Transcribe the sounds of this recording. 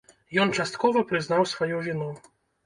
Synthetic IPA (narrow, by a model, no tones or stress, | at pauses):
jɔnt͡ʂast̪kɔvɐpɾɨznawsvajɔvʲinɔ